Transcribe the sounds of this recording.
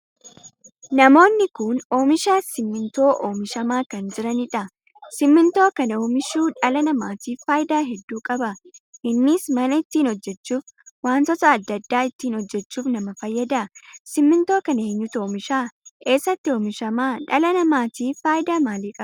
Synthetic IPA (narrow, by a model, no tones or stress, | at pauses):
nɐmo̞ːnːɪkʊnoːmɪʃaːsɪmːɪnt̪o̞ːʔoːmɪʃɐmaːkɐnd͡ʒɪɾɐnɪᶑɐ | sɪmːɪnt̪o̞ːkɐnoːmɪʃuːᶑɐlɐnɐmaːt̪iːfaːjɪd̪aːɦɛd̪ːuːkʼɐbɐʔɪnːiːsmɐnɐɪt̪ːiːnɔd͡ʒːɛt͡ʃːuːfwaːnt̪ɔt̪ɐːd̪ːɐd̪ːaːɪt̪ːiːnɔd͡ʒːɛt͡ʃːuːfnɐmɐfɐjːɐd̪ɐsɪmːɪnt̪o̞ːkɐneːɲːʊt̪oːmɪʃaːʔe̞ːsːɐt̪ːɪoːmɪʃɐmaːᶑɐlɐnɐmaːt̪iːfaːjɪd̪aːmaːliːkʼɐbɐ